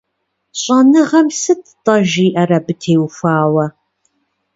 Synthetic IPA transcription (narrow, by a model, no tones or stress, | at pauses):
ɕʼɐnɨʁɐmsɨttʼɐʒiːʔɐɾɐbɨtʰeːwfʷaːwɐ